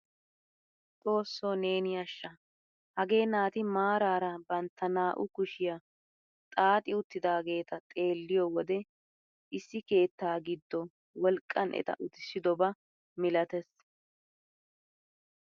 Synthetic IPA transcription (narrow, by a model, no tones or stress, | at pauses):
t̪ʼo̞ːsːo̞ːne̞ːnɪjɐʃːɐ | hɐɡe̞ːnaːt̪ɪmaːɾaːɾɐbɐnt̪ːɐnaːʔʊkʊʃɪja | t̪ʼaːt̪ʼɪʊt̪ːɪd̪aːɡe̞ːt̪ɐt̪ʼe̞ːlːɪjɔwɔd̪ɛ | ʔɪsːɪke̞ːt̪ːaːɡɪd̪ːɔ | wɔlkʼːɐnɛ̰t̪ɐ̰ʔʊt̪ɪsːɪd̪ɔbɐ | mɪlɐt̪ɛs